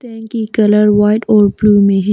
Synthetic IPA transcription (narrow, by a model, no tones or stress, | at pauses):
t̪ɛ̃ːŋkikɐləɾwaːɪʈɔːɾbluːmẽɦ